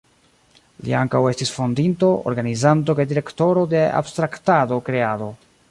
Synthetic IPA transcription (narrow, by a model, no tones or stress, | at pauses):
lḭaŋkawe̞stisfo̞ndintoʔo̰ɾɡanizant̬o̞kajdiɾe̞kto̞ɾo̞de̞a̰bstɾaktado̞kɾe̞ado̞